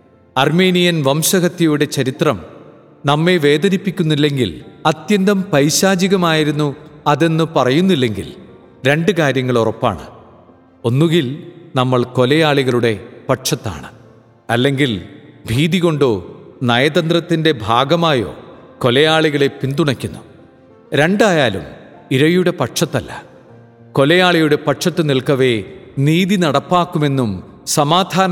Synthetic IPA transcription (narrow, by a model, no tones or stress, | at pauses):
ɐrme̞ːnijɐnʋɐmɕɐɣɐt̪ːɐjuɽe̞t͡ɕɐɾit̪rɐm | nɐmːe̞ʋe̞ːd̪ɐnipːikʲːunːilːe̞ŋɡilɐt̪jɐnd̪ɐmpɐɾɕaːd͡ʑiɣɐmaːjiɾunːuɐðe̞nːɨpɐrɐjunːilːe̞ŋɡḭl | ɾe̞ɳɖɨkaːɾjɐŋːɐɭorɐpːa̰ːɳɨ̰ | o̞nːuɣilnɐmːɐɭko̞lɐjaːɭiɣɐɭuɽe̞pɐʈʂɐt̪ːa̰ːɳɨ | ɐlːe̞ŋɡilbʱiːðiɣo̞ɳɖoːnɐjɐd̪ɐnd̪ɾɐt̪ːinde̞bʱaːɡɐmaːjo̞̰ːko̞lɐjaːɭiɣɐɭe̞pind̪uɳɐkʲːunːu | ɾe̞ɳɖajaːlṵm | iɾɐjuɽe̞pɐʈʂɐt̪ːɐlːɐ̥̰ | ko̞lɐjaːɭɐjuɽe̞pɐʈʂɐt̪ːɨniɭkɐʋe̞niːðinɐɽɐpːaːkːume̞nːum | sɐmaːd̪ʱaː